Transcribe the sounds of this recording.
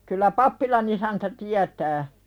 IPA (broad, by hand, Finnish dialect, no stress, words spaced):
kylːæ pɑpːilɑn isæntæ tiætæː